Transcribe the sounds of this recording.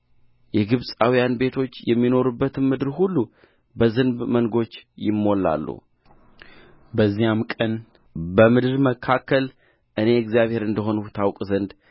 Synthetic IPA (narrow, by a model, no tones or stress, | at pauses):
jɛɡɨβsʼawijanbe̞t̪ʰo̞t͡ʃːjɛmːino̞ɾubːət̪ɨnmɨd̪ɨɾhulːu | bəzɨnbmənɡo̞t͡ʃːjɪmːo̞lːa̰lːṵ | bəzːijamkʼən | bəmɨd̪ɨɾməkʰakːəl | ʔɨne̞ɨɡzijaβhe̞ɾɨnd̪əɦo̞nut̪ʰawkʼzənd̪